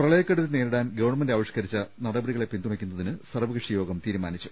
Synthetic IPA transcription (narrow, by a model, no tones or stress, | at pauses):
prɐɭɐjɐkːeɽut̪ːɨneːɾuɽaːnɡɐʋɐɳmɐndaːʋɐɕkɐɾit͡ɕːɐnɐɽɐbɐɽiɣɐɭe̞pːind̪umɐkʲːunːɐðinɨsɐrʋɐɣɨʂijo̞ːɡɐmt̪iːɾumaːnit͡ɕːu̥